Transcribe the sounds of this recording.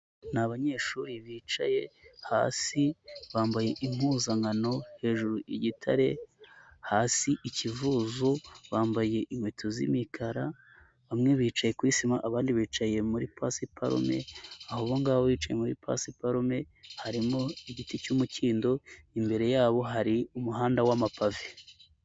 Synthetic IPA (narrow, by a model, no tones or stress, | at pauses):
naβaɲe̞ːʃuɾiβiːt͡ʃa̰je̞ha̰ːsiβaːmbaje̞ʔim̥huzaŋɡano̞he̞ːʒuɾuʔiɟitʰa̰ɾe̞ | haːsiʔicivuːzoβaːmbaje̞ʔimwetʰozḭmikʰaɾa | βamŋe̞βiːt͡ʃaje̞kwisimaʔaβaːndiβiːt͡ʃaje̞muɾipasipa̰ɾo̰me̞̰ahoβoŋɡaβowiːt͡ʃajemuɾḭpʰa̰sipaɾome̞ | haɾimoiɟiticumuciːndo̞imbe̞ɾe̞jaːβo̞ɦaɾiumuɦaːndawamapave